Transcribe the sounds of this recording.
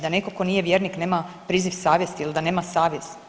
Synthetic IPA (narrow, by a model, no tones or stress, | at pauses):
d̪anekoko̞niːje̞ʋjeːɾnikne̞ːmapɾiːziʋsaːʋjest̪iild̪ane̞ːmasaːʋjez